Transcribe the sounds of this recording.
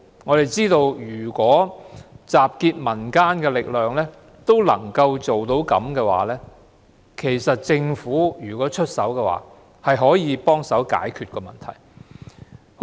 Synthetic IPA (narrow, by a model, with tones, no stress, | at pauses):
ŋɔː˨˧ɾe˨jt͡siː˥t̪o˧wjyː˨˩kʷɔː˨˥t͡saː˨p̚kiː˧t̚mɐ˨˩nkaː˥nkɛː˧lɪ˨k̚lœː˨ŋlɛː˥ | t̪o˥wlɐ̰˨˩ŋkɐ˧wt͡so˨wt̪o˨˥wkɐ̰˨˥mkɛː˧wa̰ː˨˥lɛː˥ | kʰe˨˩jsɐ˨t̚t͡sɪ˧ŋfuː˨˥jyː˨˩kɔː˨˥t͡ʃʰɵ˥t̚sɐ˨˥wkɛː˧wa̰ː˨˧˥ | hɐ˨jɦɔː˨˥jiː˨˧˥pɔː˥ŋsɐ˨˥wka̰ː˨˥jkʰyː˨t̚kɔː˧mɐ̰˨nt̪ʰɐ̰˨˩j